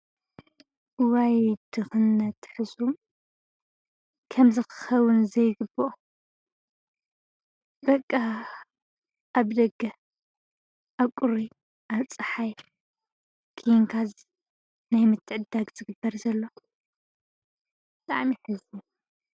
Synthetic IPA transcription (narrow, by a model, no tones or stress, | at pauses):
wajd̪̥ɨxɨnːɐt̪ħɨzum | kʰɐmzɨxɨ̥xɐwʊnzɐjɡɨboʔo | bɐkʼːa | ʔaβd̪ɐɡɐ | ʔaβkʼʊɾi | ʔaβt͡sʼɨħaj | kʰiŋkʰaz | najmɨt̪ʰːɨʕɨd̪aɡz̥ɨɡɨbːɐɾzɐlːo̞ | bɨt̪ʼa̰ʕmiħɨzu